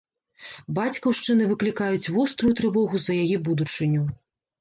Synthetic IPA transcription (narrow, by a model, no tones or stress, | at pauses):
bat͡sʲkɐwʂt͡ʂɨnɨvɨklʲikajut͡sʲvɔst̪ɾujut̪ɾɨvɔɣuzɐjajɛbud̪ut͡ʂɨnʲu